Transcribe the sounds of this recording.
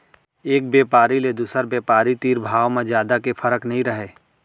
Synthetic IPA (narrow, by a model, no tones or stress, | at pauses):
eːk̚bjeːpaːɾiled̪uːsəɾbjeːpaːɾit̪iːɾbʱaːʋmẽzjaːd̪akefɐɾəknɐɦĩɾɐɦeː